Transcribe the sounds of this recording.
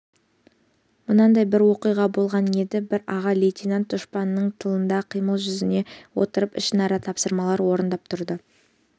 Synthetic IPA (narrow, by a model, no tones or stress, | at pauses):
mʊnɑnd̪ɑjbɪɾwo̞qijʁɑbo̞lˠʁɑne̞d̪ɪbɪɾɑʁɑlʲejt̪ʲinant̪̚d̪ʊʃpɑnːəɴt̪ʰːəlˠənd̪ɑqʰijməlˠʒʏzɪne̞wo̰t̪əɾəpɪ̰ʃɪnɑɾɑt̪ʰɑpsəɾmɑlˠɑɾwo̞ɾənd̪ɑp̚t̪ʰʊɾd̪ə